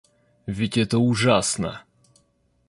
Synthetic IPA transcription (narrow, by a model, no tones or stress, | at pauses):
vʲɪtʲɛt̪əʊʐasnə̰